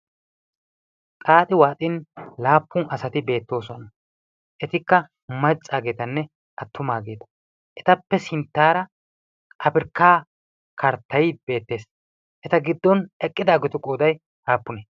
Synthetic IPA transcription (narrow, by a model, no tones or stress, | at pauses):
tʼaːt̪ʼɪwaːt̪ʼɪnlaːpːʊnʔɐsɐt̪ɪbe̞ːt̪ːo̞ːsɔnɐ | ʔɛt̪ɪkːɐ | mɐt͡sʼːaːɡe̞ːt̪ɐnːɛ | ʔɐt̪ʰːʊmaːɡe̞ːt̪ɐ̥ | ʔɛt̪ɐpːɛsɪnt̪ːaːɾɐ | ʔɐpɪɾkːaː | kʰɐɾt̪ːɐjɪbe̞ːt̪ːe̞ːs | ʔɛt̪ɐɡɪd̪ːɔnɛkʼːɪd̪aːɡɔt̪ʊkʼoːd̪ɐj | haːpːʊne